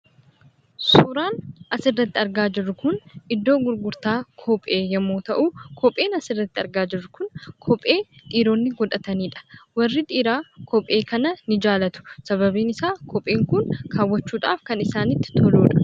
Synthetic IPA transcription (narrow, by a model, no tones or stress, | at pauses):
suːɾaːnʔɐsɪrːɐt̪ːɪɐɾɡaːd͡ʒɪrːʊkʊnɪd̪ːo̞ːɡʊɾɡʊɾt̪aːkʰɔpʼːeːjɛmːoːt̪ɐʔuːkʰɔpʼeːnɐsɪrːɐt̪ːɪɐɾɡaːd͡ʒɪrːʊkʊnkʰɔpʼːe̞ːt̪ʼiːɾoːnːɪɡɔᶑ̪ɐt̪ɐniːᶑɐ̥wɐrːɪt̪ʼiːɾaːkʰɔpʼːe̞ːkʰɐnɐnɪd͡ʒaːlɐt̪ʊ̥sɐβɐbiːnɪsaːkʰɔpʼːeːŋkʊŋkʰaːwːɐt͡ʃːuːᶑa̰ːfkɐnɪsaːnɪt̪ːɪ̥t̪ʰɔloːᶑɐ̥